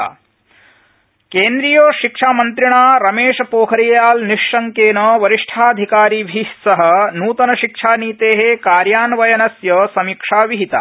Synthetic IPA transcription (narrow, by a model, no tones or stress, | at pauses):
keːnd̪ɾijoːʃikʂaːmɐnt̪ɾiɳaːɾɐmeːʂɐpoːkʰɐɾijjaːlniʂːɐŋkeːnɐʋɐɾiʂʈʰaːɐd̪ʱikaːɾiːbʱisɐɦɐ̆nuːt̪ɐnɐʃikʂaːniːt̪eːɦekaːɾjaːnʋɐjɐnɐsjɐsɐmikʂaːʋiɦit̪a̰